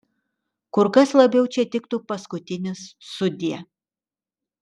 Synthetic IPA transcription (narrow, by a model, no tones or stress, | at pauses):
kʊɾkɐslˠɐbʲɛʊt͡ʃʲɛt̪ʲɪkt̪uːpɐskʊt̪ʲɪnʲɪsːʊd̪ʲiɛ